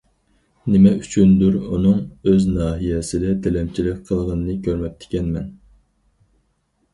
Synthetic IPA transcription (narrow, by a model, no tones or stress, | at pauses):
nɪmɛyt͡ʃʰynd̪uɾunɨŋøznɑːɦijɛsɪd̪ɛt̪ʰɛlɛmt͡ʃʰilɪk̚ʲqʰəlˠʁənɨnɨkʲʰøɾmɛp̚ʲt̪ʰɪ̥kʲɛnmɛn